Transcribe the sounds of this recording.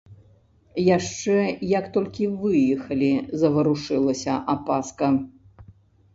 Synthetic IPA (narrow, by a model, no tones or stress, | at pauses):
jaʂt͡ʂɛjɐkt̪ɔlʲkʲivɨjɛxɐlʲizɐvɐɾuʂɨlˠɐsʲɐʔapaskɐ